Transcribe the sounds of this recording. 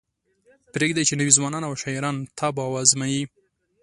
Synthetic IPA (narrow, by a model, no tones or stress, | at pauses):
pɾeɡd̪ajt͡ʃenəwizwɑnɑnawʃɑiɾɑnt̪ʰɑbɑwazmaji